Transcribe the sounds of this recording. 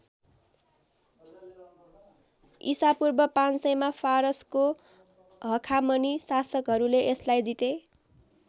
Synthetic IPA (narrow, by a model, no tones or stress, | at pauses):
isapurbʌpãnsʌjmafʰaɾʌsko | ɦʌkʰamʌnisasʌkɦʌɾuleʔeslajd͡zit̪e